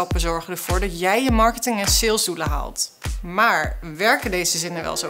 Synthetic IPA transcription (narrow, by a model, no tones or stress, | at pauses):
ɔpəzɔɹχəndəv̥ʊːɹdɑtjɛjjəmɑɹkətɪŋənsɪlˠzduləɦa̰lˠtmaːɹʋɛɹkədejzəzɪnəʋɛ̰lˠzo